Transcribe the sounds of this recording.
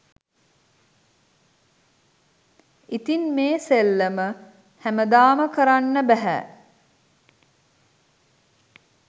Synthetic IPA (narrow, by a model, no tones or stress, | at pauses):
it̪inmeːselːəmə | hæməd̪aːməkəɾanːəbæɦæ̰